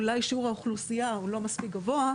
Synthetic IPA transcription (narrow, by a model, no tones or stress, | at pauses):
ulajʃiuʁaoχlusijaulo̞maspik̚ɡavo̞a